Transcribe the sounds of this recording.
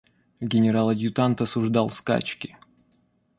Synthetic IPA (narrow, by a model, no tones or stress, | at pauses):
ɡʲɪnʲɪɾalˠɐdʲjʊt̪ant̪ɐsʊʐd̪ɑlˠska̰t͡ɕkʲɪ